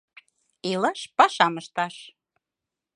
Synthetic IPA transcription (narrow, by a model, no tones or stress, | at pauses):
ilɑʃpɑʃɑməʃt̪ɑʃ